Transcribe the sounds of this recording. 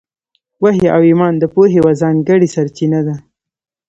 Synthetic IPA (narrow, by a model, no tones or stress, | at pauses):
waɦeʔawimɑnd̪əpoɦewazɑŋɡəɽisaɾt͡ʃinad̪a